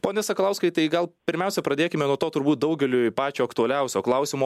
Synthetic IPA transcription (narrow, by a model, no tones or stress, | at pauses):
poːnʲɛsɐklˠɐʊskɐɪt̪ɐɪɡɐlˠpʲɪɾʲmʲɛˑʊsʲɛpɾɐd̪ʲeːkʲɪmʲɛnuɔt̪oːt̪ʊɾbuːt̪̚d̪ɐʊɡʲɛlʲʊpɑːt͡ʃʲoːɐkt̪ʊɐlʲɛʊsʲoːklˠɐʊsʲɪmuː